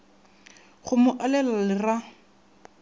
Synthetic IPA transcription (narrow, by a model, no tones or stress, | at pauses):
χʊmʊʔalɛlalɪra